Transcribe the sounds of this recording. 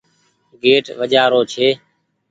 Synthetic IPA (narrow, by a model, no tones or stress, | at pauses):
ɡeːʈʋəd͡ʒaːɾoːt͡ʃʰeː